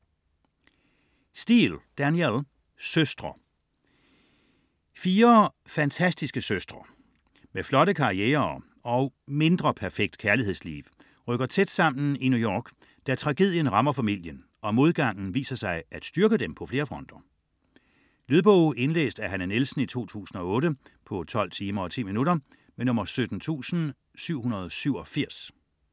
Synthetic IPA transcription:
sd̥ḭld̥æniel | søsd̥ʁɐ | fiːɐfænt͡sʰæsd̥isɡ̥əsøsd̥ʁɐ | meflɒ̽ɾəkʰɑ̈ʁieːɐ | ɒ̽ʊme̝nd̥ʁɐpʰæɐfeɡ̥̚d̥kʰæɐlihe̝ðˠslḭːʋ | ʁœɡ̥ɐt͡sʰed̥sɑ̈m̰n̩inujɒːɡ̥ | d̥æt͡sʰʁɑ̈ɡ̥e̝ð̰ˠjənʁɑ̈mɐfæmil̰jən | ɒ̽mo̝ð̞ˠɡ̥ɑ̈ŋ̰n̩ʋḭːsɐsɑ̈ɪʔæd̥sd̥yɐɡ̥əd̥empʰɒ̽fle̝ːɐfʁɔ̽n̰d̥ɐ | lyðˠb̥ɔʊe̝nlḛːsd̥æɦænənelsn̩it͡sʰo̝̰ːt͡sʰṵːsn̩ɒ̽ɔ̽ːɾəpʰɒ̽t͡sʰɒ̽l̰t͡sʰiːmɐɒ̽t͡sʰḭːminuɾɐ | menɔ̽mɐsød̥n̩t͡sʰṵːsn̩ | syʊ̰hunɐð̞ˠsyʊɒfiɐ̰s

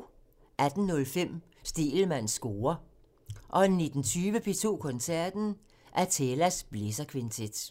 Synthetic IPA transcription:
ʔæd̥n̩nɔ̽lfem̰ | sd̥e̝̰ːlmæn̰sːɡ̥o̝ːɐ | ʔɒ̽nːid̥n̩t͡sʰyːʋəpʰe̝t͡sʰo̝̰ːkʰɔ̽nsæɐ̰d̥n̩ | ʔæɐt͡sʰelæsb̥le̝sɐkʰʋent͡sʰed̥

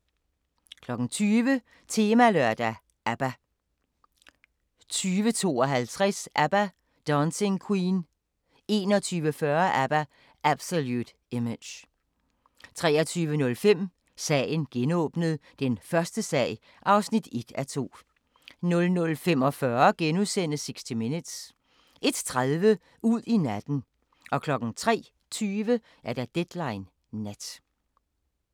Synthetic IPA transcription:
kʰlɒ̽ɡ̥n̩t͡sʰyːʋə | t͡sʰe̝ːmælœɐ̰d̥æ | ʔæb̥æ | t͡sʰyːʋət͡sʰo̝̰ːɒɦælt͡sʰʁasʔæb̥æ | d̥ɒːnseŋkʰwiːn | e̝ːnɒ̽t͡sʰyːʋəfɶːɐʔæb̥æ | ʔæb̥soljud̥ | eme̥j | t͡sʰʁɛːɐt͡sʰyːʋənɔ̽lfem̰ | sɛ̰ːɪn̩ɡ̥enɔ̽ːb̥nəð̩ˠd̥enfɶɐsd̥əsɛ̰ːɪ | ʔɑ̈ʊsnid̥e̝d̥æt͡sʰo̝̰ː | nɔ̽lnɔ̽lfem̰ɒ̽fɶɐɡ̥enusen̰se̝ɡ̥sd̥imenəd̥s | ʔe̝d̥t͡sʰʁaðˠʋə | ʔuð̰ˠinæd̥n̩ | ʔɒ̽kʰlɒ̽ɡ̥ŋ̩t͡sʰʁɛ̰ː | t͡sʰyːʋə | ʔæɐɾ̥æd̥ed̥lɑ̈ɪnː | æd̥

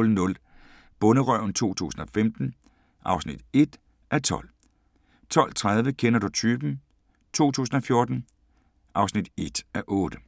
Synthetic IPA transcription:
lnɔ̽l | b̥ɔ̽nəʁœʊ̰n̩t͡sʰo̝̰ːt͡sʰṵːsn̩ɒ̽femd̥n̩ | ʔɑ̈ʊsnḭd̥e̝d̥ | ʔæt͡sʰɒ̽l̰ | t͡sʰɒ̽l̰t͡sʰʁað̞ˠʋəkʰenɐd̥ut͡sʰyːb̥n̩ | t͡sʰo̝̰ːt͡sʰṵːsn̩ɒ̽fjo̝ɐd̥n̩ | ʔɑ̈ʊsnid̥e̝d̥æʔɔːd̥ə

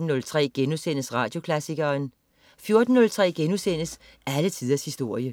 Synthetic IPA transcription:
n̩ːɔ̽lt͡sʰʁɛ̰ːɡ̥enusen̰əsʁɑ̈ːd̥jo̝kʰlæsiɡ̥ɐːn | fjo̝ɐd̥n̩ːɔ̽lt͡sʰʁɛ̰ːɡ̥enusen̰əs | ælət͡sʰið̞ˠɐshisd̥o̝ɐ̰jə

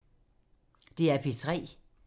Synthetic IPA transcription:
d̥iæɐpʰit͡sʰʁɛ̰ː

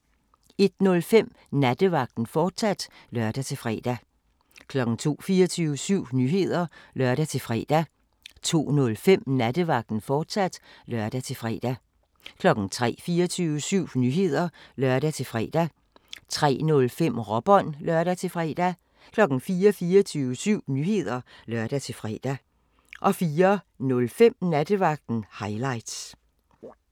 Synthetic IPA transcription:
e̝d̥nɔ̽lfem̰ | næd̥əʋɑ̈ɡ̥̚d̥n̩fɒːd̥sæd̥lɶɐd̥æt͡sʰe̝lfʁɛ̰ːd̥æ | kʰlɒ̽ɡ̥n̩t͡sʰo̝̰ːfiːɐt͡sʰyːʊəsyʊ̰nyɦe̝ð̞̰ˠɐlɶɐ̰ɾæt͡sʰe̝fʁɛ̰ːd̥æ | t͡sʰo̝̰ːnɔ̽lfem̰næd̥əʋɑ̈ɡ̥̚d̥n̩fɒːd̥sæd̥lɶɐ̰d̥æt͡sʰe̝fʁɛ̰ːd̥æ | kʰlɒ̽ɡ̥n̩t͡sʰʁɛ̰ːfiːɐt͡sʰyːʊəsyʊ̰nyɦe̝ð̞̰ˠɐlɶɐɾ̥æt͡sʰe̝fʁɛːd̥æ | t͡sʰʁɛ̰ːnɔ̽lfem̰ʁɒ̽b̥ɒ̽n̰lɶɐɾ̥æt͡sʰe̝fʁɛ̰ːd̥æ | kʰlɒ̽ɡ̥n̩fiːɐfiːɐt͡sʰyːʊəsyʊ̰nyhe̝ð̞̰ˠɐlɶɐd̥æt͡sʰe̝fʁɛ̰ːd̥æ | ʔɒ̽fiːɐ | nɔ̽lfem̰næd̥əʋɑ̈ɡ̥̚d̥n̩hɑ̈ɪlɑ̈ɪ̰d̥s

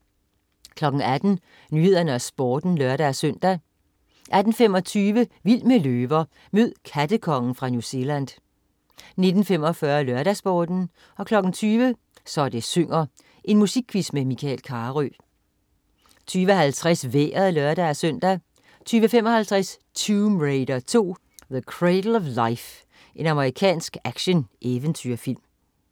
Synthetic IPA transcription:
kʰlɒ̽ɡ̥ŋ̩æd̥n̩ | nyːhe̝ð̞̰ˠɐnəæsb̥ɒːd̥n̩lœɐɾæsøn̰d̥æ | ʔæd̥n̩femɒ̽t͡sʰyːʋəʋil̰məløːʋɐ | møð̰ˠkʰæd̥əkʰɒ̽ŋn̩fʁɑ̈njuse̝læn̰d | ne̝d̥n̩fem̰ɒ̽fɶɐlœɐɾ̥æsb̥ɒːd̥n̩ | ɒ̽kʰlɒ̽ɡ̥n̩t͡sʰyːʋə | sɒd̥e̝søŋ̰ɐ | ʔe̝nmusiɡ̥̚ʰʋismemikʰɛ̰lkʰɑ̈ːʁy | t͡sʰyːʋəɦælt͡sʰʁasʋḛːɐðˠlɶɐd̥ææsœn̰d̥æ | t͡sʰyːʋəfemɒ̽hælt͡sʰʁas | t͡sʰuːmʁeɪdɐt͡sʰo̝̰ː | ðəkʰʁedl̩ˠɒʋläɪf | ʔe̝nɑ̈məʁikʰɛ̰ːnsɡ̥æɡ̥ɕənʔeʋənt͡sʰyɐfil̰m

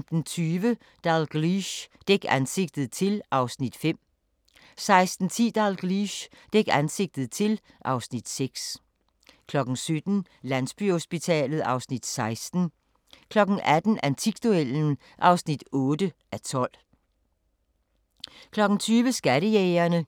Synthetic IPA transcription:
md̥n̩t͡sʰyːʋə | d̥ɑlɡ̥ʁiɕd̥eɡ̥ænse̝ɡ̥̚d̥ð̞̩ˠt͡sʰe̝lʔɑ̈ʊsnid̥fem̰ | sɑ̈ɪsd̥n̩t͡sʰḭːd̥ɑlɡ̥ʁiɕ | d̥eɡ̥ænse̝ɡ̥̚d̥ð̞̩ˠt͡sʰe̝l | ʔɑ̈ʊsnid̥seɡ̥s | kʰlɒ̽ɡ̥n̩sød̥n̩ | læn̰sb̥y̰hosb̥it͡sʰɛ̰ːlð̞̩ˠɑ̈ʊsnid̥sɑ̈ɪsd̥n̩ | kʰlɒ̽ɡ̥n̩ʔæd̥n̩ænt͡sʰiɡ̥d̥uel̰n̩ | ʔɑ̈ʊsnid̥ɔ̽ːd̥əʔæt͡sʰɒ̽l̰ | kʰlɒ̽ɡ̥n̩t͡sʰyːʋəsɡ̥æɾəjɛɪɐnə

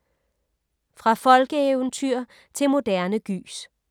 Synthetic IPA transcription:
fʁɑ̈fɒ̽lɡ̥əeʊənt͡sʰyɐ̰ | t͡sʰe̝lmo̝d̥æɐnəɡ̥y̰ːs

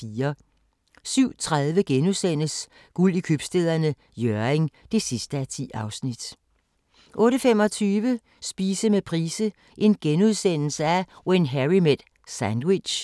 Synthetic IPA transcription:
fiːɐ | syʊ̰t͡sʰʁað̞ˠʋəɡ̥enuðˠsen̰əs | ɡ̥ulikʰøb̥sd̥eðˠɐnə | jøɐeŋd̥e̝sisd̥əæt͡sʰḭːɑ̈ʊsnid̥ | ʔɔ̽ːɾəfem̰ɒ̽t͡sʰyːʋə | sb̥iːsəmepʰʁiːsə | ʔe̝nɡ̥enuðˠsen̰l̩səæwenɦæʁimed̥ | sænd̥wid̥ɕ

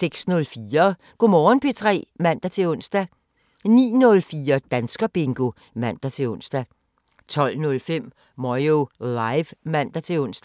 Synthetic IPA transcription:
seɡ̥snɔ̽lfiːɐ | ɡ̥omɒːnpʰe̝t͡sʰʁɛ̰ːmæn̰d̥æt͡sʰe̝ɔ̽n̰sd̥æ | nḭːnɔ̽lfiːɐd̥ænsɡ̥ɐb̥e̝ŋɡ̥o̝ | mæn̰d̥æt͡sʰe̝ɔ̽n̰sd̥æ | t͡sʰɒ̽l̰nɔ̽lfem̰ | mɒɪolɑɪʋmæn̰d̥æt͡sʰe̝ɔ̽n̰sd̥

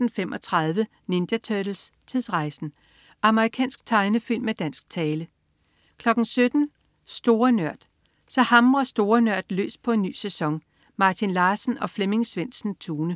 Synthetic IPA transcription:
n̩femʔɒ̽t͡sʰʁɑðˠʋə | ne̝nd̥ɐt͡sʰød̥l̩st͡sʰiðˠsʁɑ̈ɪsn̩ | ʔɑ̈məʁikʰɛ̰ːnsɡ̥̚t͡sʰɑ̈ɪnəfil̰mːed̥æn̰sɡ̥̚t͡sʰɛːlə | kʰlɒ̽ɡ̥n̩sød̥n̩ | sd̥o̝ːɐnɶɐ̰d̥ | sɒ̽hɑ̈mʁɐsd̥o̝ːɐnœɐ̰d̥lø̰ːs̚pʰɒ̽e̝nːy̰ːsesɒ̽ŋ | mɑ̈ːt͡sʰinlɑ̈ːsn̩ɒ̽fleme̝ŋsʋen̰sn̩t͡sʰuːnə

